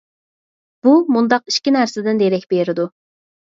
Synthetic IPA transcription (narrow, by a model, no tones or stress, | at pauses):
b̥umund̪ɑqiʃkʲinæɾsɪd̪ɪnd̪eɾɛkʲbeɾɪd̪u